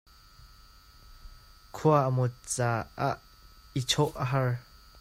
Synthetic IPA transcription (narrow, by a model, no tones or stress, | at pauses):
kʰuaʔəmʊt̪̚t͡saːʔaʔ | it͡sʰɔʔəɦɐr